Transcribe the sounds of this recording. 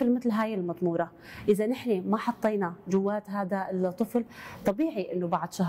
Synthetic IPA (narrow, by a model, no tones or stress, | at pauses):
lmɪt̪lɦaːjɪlmɑt̪ˤmuːɾˤɑ | ʔɪðanɪħnemaħɑt̪ˤːiːnad͡ʒʊwːaːt̪ɦaːd̪alt̪ˤːɨflt̪ˤɑbiːʕiʔɪnːʊbaʕd̪ˤʃaɦ